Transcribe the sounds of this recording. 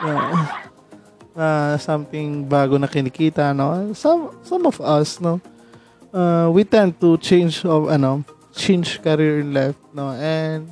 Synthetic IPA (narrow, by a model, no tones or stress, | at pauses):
ja | asɐ̃mt̪ɪŋbaːɡonɐkɪnɪkiːt̪ɐno̞sɐmsɐ̃mɔvɐsno | ʔawit̪ɛnd̪̚t̪ut͡ʃẽjnd͡ʒovɐno̞ | t͡ʃẽjnd͡ʒkɐɾiɹɪ̃nlajft̪̚noʔɛnd̪̚